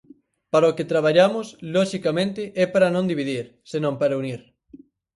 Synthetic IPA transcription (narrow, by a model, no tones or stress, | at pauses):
paɾɐoket̪ɾaβ̞aʎamʊslɔʃikamẽnt̪ɪʔɛpaɾɐnõnd̪iβiðiɾ | senõmpaɾɐuniɾ